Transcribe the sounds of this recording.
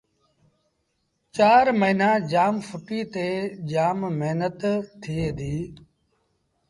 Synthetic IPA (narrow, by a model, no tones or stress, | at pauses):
t͡ʃaːɾməiːnaːd͡ʒaːmfʰʊʈiːt̪eːd͡ʒaːmmeɦnət̪t̪ʰːiːd̪iː